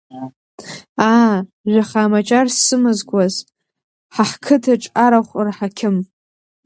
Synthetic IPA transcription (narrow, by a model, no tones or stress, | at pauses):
a | ʒʷaχaːmat͡ʃʼarssɨmɨzɡʷaz | ħaħkʰɨtʰaʈ͡ʂʼaɾaχʷrħakʲʰɪm